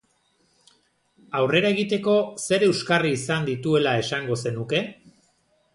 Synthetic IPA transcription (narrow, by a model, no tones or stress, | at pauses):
awre̞ɾae̞ɣ̞it̪e̞ko̞se̞ɾeewskariːsand̪it̪ue̞lae̞saŋɡo̞se̞nuke̞